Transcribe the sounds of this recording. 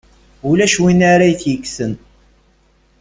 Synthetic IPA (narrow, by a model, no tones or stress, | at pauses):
ulæʃwinaɾajθjəkːsən